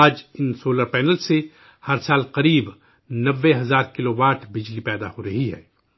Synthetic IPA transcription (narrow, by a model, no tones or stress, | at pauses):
aːd͡ʒɪnsoːləɾpɛːnəlse | hɐɾsaːlqɐɾiːb | nɐʋːeɦɐzaːɾkɪloːʋaːʈʰbɪd͡ʒlipɛːd̪a̰hoɾɐɦiɦɛ̰ː